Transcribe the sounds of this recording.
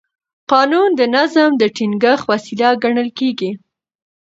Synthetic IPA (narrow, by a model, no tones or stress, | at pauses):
qɑnund̪ənazamd̪əʈiŋɡəxwasilaɡaɳəlkeɡi